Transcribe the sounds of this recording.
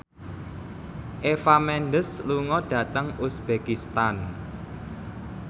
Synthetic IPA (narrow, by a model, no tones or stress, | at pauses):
ʔefamɛnɖəsluŋɔɖ̥ä̤t̪əŋusb̥ekist̪an